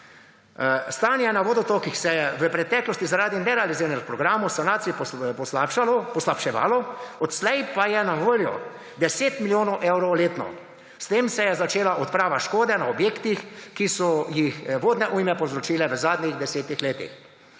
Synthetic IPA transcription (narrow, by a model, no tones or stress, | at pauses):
st̪aːnjɛnaʋod̪ɔt̪okixsɛjɛʋəpɾɛt̪ɛːklɔst̪izaɾaːd̪inɛɾɛaliziːɾnɛkpɾɔɡɾaːmɔwsanaːt̪siippɔslaːpʃalɔpɔslapʃɛʋa̰ːlɔɔt̪slɛjpajɛnaʋoːljɔ̰ | d̪ɛseːt̪miljoːnɔwʔewɾoleːt̪nɔ̰ | st̪eːmsɛjɛzat͡ʃeːlaʔɔt̪pɾaːʋaʃkoːd̪ɛnaɔbjeːkt̪ixkisɔjixʋoːd̪nɛʔujmɛpɔzɾɔt͡ʃiːlɛʋəzaːd̪nʲiɣd̪ɛseːt̪ixleːt̪ḭx